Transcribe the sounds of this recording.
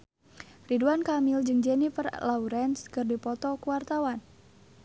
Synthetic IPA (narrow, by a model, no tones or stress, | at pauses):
riduankamild͡ʒɨŋd͡ʒɛnifərlauɾɛnskɨrdipɔt̪ɔkuwart̪awan